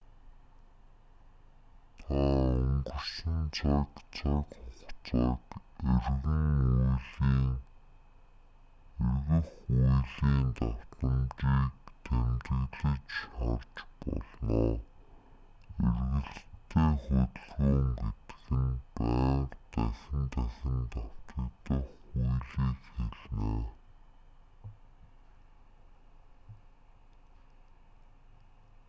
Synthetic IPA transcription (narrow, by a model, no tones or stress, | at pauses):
t̪ʰaʊŋɡɵ̆rʃĭnt͡sʰakt͡sʰakχʊχt͡saːkerɣɘ̆ŋujɮiːŋ | erɣɘ̆xujɮiːnt̪ḁt̪ə̆mt͡ɕiːk̚t̪ʰæmt̪ɘ̆ɣɮɘ̆t͡ɕart͡ɕpɔ̰ɮnɔː | erɣɘ̆ɮt̪ʰːeːxʊt̪̆ɮɣuːŋɡet̪xɘ̆npæːrt̪æxɪ̆nt̪æxɪ̆nt̪aw̥t̪ə̆t̪ə̆xujɮiːkxeɮneː